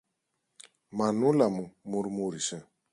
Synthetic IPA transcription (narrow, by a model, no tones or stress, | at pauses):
manulamumuɾmuɾisɛ